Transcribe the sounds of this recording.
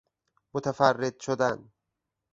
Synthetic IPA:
mot̪ʰæfærːed̪̥ʃod̪æn

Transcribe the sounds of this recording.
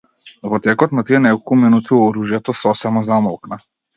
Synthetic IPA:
vɔt̪ɛkɔt̪nat̪iɛnɛkɔlˠkuminut̪iɔɾuʒjat̪ɔsɔsɛmɔzamɔlˠkna

